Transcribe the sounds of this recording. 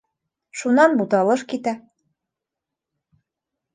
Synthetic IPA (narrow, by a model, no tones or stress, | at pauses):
ʃunɑnbut̪ɑlˠɤʃkit̪æ